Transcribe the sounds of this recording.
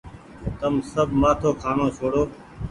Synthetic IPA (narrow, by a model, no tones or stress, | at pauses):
t̪əmsəbʱmaːt̪ʰoːkʰaːnõːt͡ʃʰoːɽoː